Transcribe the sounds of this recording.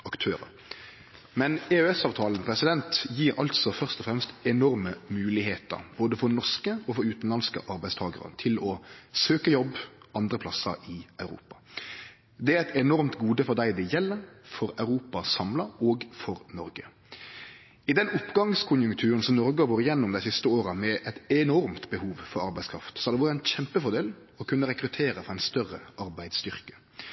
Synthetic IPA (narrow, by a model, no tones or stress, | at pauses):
ɑkt̪ʰøːɾə̰ɾ | mɛneøːɛsɑːʋt̪ʰɑːlən̩pʰɾɛsɪd̪ɛnt̪jiːɾʔɑ̰lt̪sɔfœʁst̪ɔfɾɛmst̪ɛnɔɾməmʉːlɪɦeːt̪ə̰ɾb̥oːd̪əfɔɾnɔʂkəɔfɔɾʉːt̪n̩lɑnskə̰ʔɑɾbæɪst̪ʰɑːɡəɾə̰t̪ʰɪlɔsøːkəjɔbɑnd̪ɾəpʰlɑsə̰ɾɪɑʉɾṵːpɑ̥ | d̪ɛæɾɛt̪ɛnɔɾmt̪ɡuːd̪əfɔʁd̪æɪd̪ɛjɛlːəɾfɔɾɑʉɾuːpɑsɑmlɑoːɡfɔɾnɔɾɡə | ɪd̪ɛnʊpːɡɑŋskʰʊnjʉŋkt̪ʰʉːɾənsɔmnɔɾɡəɑboːɾəjɛnːʊmd̪æɪsɪst̪əoːɾəmɛʔɛt̪ɛnɔɾmt̪bəhuːʋfɔɾɑɾbæɪskʰɾɑ̰ft̪sɔhɑd̪ɛʋɑːɾət̪æɪnçɛmpəfɔɾd̪eːl | ɔkʰʉnːəɾɛkɾʉt̪ʰeːɾəfɔɾæɪnst̪œrəʔɑɾbæɪd̪st̪ʏʁkə̥